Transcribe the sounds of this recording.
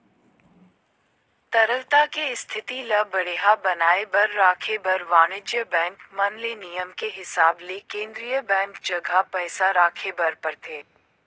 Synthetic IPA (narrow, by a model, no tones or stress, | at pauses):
t̪ɐɾəlt̪akeɪst̪ʰɪt̪ilɐbɐɽ̤eːɦabɐnaːebɐɾːaːkʰebɐɾʋaːnɪd͡ʒjəbɛ̃ːŋkmɐnlenijəmkeɦɪsaːblekẽːnd̪ɾijəbɛ̃ːŋkd͡ʒɐɡʱapɛːsaɾaːkʰebɐɾpɐɾt̪ʰeː